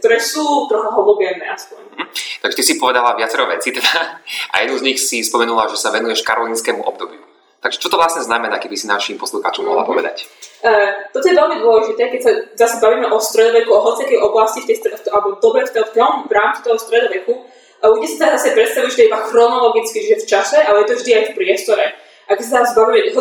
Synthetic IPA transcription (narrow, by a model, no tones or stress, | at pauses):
k̚t̪ɔɾɛːsuːt̪ɾɔxɔɦɔd̪ɔbɪjɛnɛ̰ːʔaspɔɲɦt̪aɡʒɛt̪isipɔʋɛd̪alaʋɪat͡sɛɾɔʋɛt͡sit̪ɛd̪aaʔa̰jɛd̪nuzɲixsispɔmɛnulaʒɛsaʋɛnujɛʃkaɾɔliːnskɛːmuʔɔ̰b̚d̪ɔbju | t̪aɡʒɛt͡ʃɔt̪ɔʋlasɲɛznamɛnakɛbisinaʃimpɔsluxaːt͡ʃɔmɔ̰ɦla̰pɔʋɛ̰d̪a̰cət̪ɔt̪ɔjɛʋɛlmid̪wɔlɛʒit̪ɛːkɛcsazasɛbaʋiːmɛʔɔst̪ɾɛd̪ɔʋɛkuɔɦɔt͡sikɛjʔɔblascift̪ɛjst̪ɾɛt̪ʔalɛbɔd̪ɔbɾɛft̪ɛtɔmvɾaːmt͡si̥t̪ɔɦɔst̪ɾɛd̪ɔʋɛku | ʔaucɛsit̪azasɛpɾɛt̪st̪aʋiʒɛt̪ɛibaxɾɔnɔlɔɡit͡skit͡ʃiʒɛft͡ʃasɛʔalɛjɛt̪ɔvʒd̪iajfpɾɪɛst̪ɔɾɛ | ʔakɛcsat̪asbaimɛɦɔ